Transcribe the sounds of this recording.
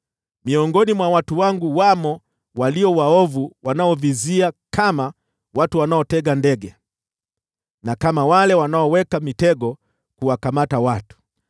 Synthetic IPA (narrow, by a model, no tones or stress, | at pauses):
miɔŋɡɔnimwawatuwaŋɡuwamɔ | waliɔwaɔvuwanaɔviziakʰama | watuwanaɔtɛɠandɛɡɛ | nakamawalɛwanaɔwɛkamitɛɡɔ | kuwakamatawatu̥